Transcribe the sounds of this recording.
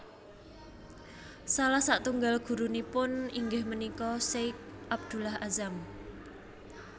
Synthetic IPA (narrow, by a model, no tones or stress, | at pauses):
salahsaʔt̪uŋɡalɡ̥ṳɾunipʊniŋɡɪhmənikɔsek̚ʔab̚d̪̥ṳlahʔazam